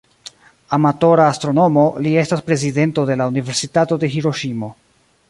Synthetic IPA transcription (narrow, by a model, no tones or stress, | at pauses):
amato̞ɾaːstɾo̞no̞mo̞lie̞staspɾe̞zide̞nto̞de̞launive̞ɾsitato̞de̞ɦiɾo̞ʃimo̞